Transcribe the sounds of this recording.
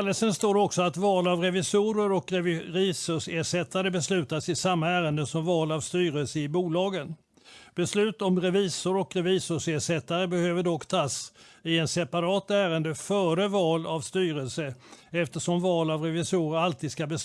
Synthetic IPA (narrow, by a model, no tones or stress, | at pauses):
lːəsənst̪oːɾɔksɔat̪vɑːlavɾɛvɪsuːɾəɾɔkɾiːsʊʂeːʂɛt̪ʰːad̪əbɛslʉ̟ːt̪asɪsamːaæːɾənd̪əsɔmvɑːlavst̪yːɾəlsəɪbuːlɑːɡən | b̥ɛslʉ̟ːt̪ɔmɾɛviːsʊɾɔkɾɛviːsʊʂeːʂɛt̪ːaɾəbɛhøːvəɖɔkːt̪ʰɑːsɪɛnsɛpaɾɑːt̪æːɾənd̪əfœːɾəvɑːlavst̪yːɾəlsəɛft̪əʂɔmvɑːlavɾɛvɪsuːɾəɾalt̪ʰiːd̪skabɛ